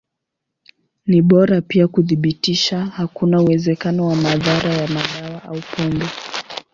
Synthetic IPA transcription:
niɓɔɾapiakuðiɓitiʃahakunauwɛzɛkanɔwamaðaɾajamaɗawaʔaupʰɔmbɛ

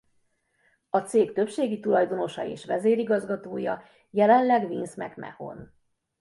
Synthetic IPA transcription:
ɒt̪seːkt̪ø̞pʃeːɡit̪ulɒjd̪o̞no̞ʃɒ̰ḛːʃʋɛzeːɾiɡɒzɡɒt̪oːjɒ | jɛlɛnlɛɡvinsmɛ̰kmɛ̰ho̞̰n

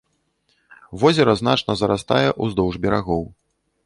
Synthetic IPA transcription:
vɔzʲɛɾɐzn̪at͡ʂnɐzɐɾast̪a̰jɛʔuzd̪ɔwʐbʲɛɾaɣɔw

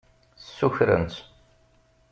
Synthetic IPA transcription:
sːuçɾə̰nt̪

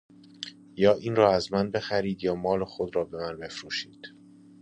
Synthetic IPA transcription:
jɒːʔiːnrɒːæzmænbe̞xæɾiːd̪jɒːmɒːlexod̪ɾɒːbe̞mænbe̞fɾuːʃiːd̪̥

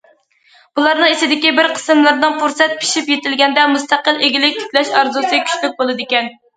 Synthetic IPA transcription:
b̥ulˠɑɾnɨŋesɪd̪ɪkʲibɪɾqʰə̥sɨmlˠɨɾnɨŋfuɾsɛt̪̚pʰi̥ʃipjet̪ɪlɡʲɛnd̪ɛmust̪æqəlˠeɡʲilɪk̚ʲt̪ʰi̥kʲlɛʃɑɾzusɨkʲʰy̥ʃlyk̚ʲbolˠɨd̪ɪkʲɛn

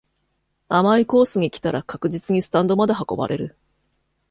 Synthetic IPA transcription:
amaiko̞ːsɨɲ̟ikʲi̥t̪aɾakakɯ̟ʑit͡sɨɲ̟isɨ̥t̪ãnd̪o̞mad̪eɦako̞ba̰ɾe̞̰ɾɯ̟

